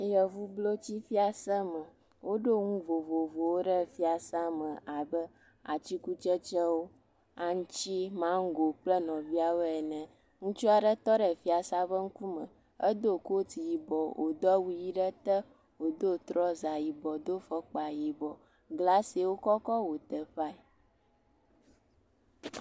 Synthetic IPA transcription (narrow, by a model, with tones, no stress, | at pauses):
jə˨vu˦blo˦t͡ɕi˦fi˦a˨sə˦mə˨ | wo˦ɖo˦ŋũ˦vo˨vo˨vo˨wo˦ɖə˦fi˦a˨sa˦mə̃˨ʔa˨bə˦ | a˨t͡ʃi˦ku˦t͡ʃə˦t͡ʃə˦wo˦ | a˨ŋ̩˦t͡ʃi˦mã˦ŋ̩˦ɡo˨k͡plə˦nɔ̃˨vi˦a˨wo˦ɛ˨nɛ̃˨ | ŋũ˦t͡ʃu˦a˨ɖə˦t̪ɔ˦ɖə˨fi˦a˨sa˦bə˦ŋ̩˦ku˦mə̃˨ | ə˦d̪o˦ko˦t̪i˨ji˨bɔ˨wʔo˨d̪ɔ˦wu˦ji˦ɖə˦t̪ə˦ | wo˨d̪o˦t̪ɾɔ˦za˨ji˨bɔ˨d̪o˦fə˦k͡pa˨ji˨bɔ˨ | ɡla˦si˨wo˦kɔ˦kɔ˦wo˨t̪ə˨ɸa˦ɛ˨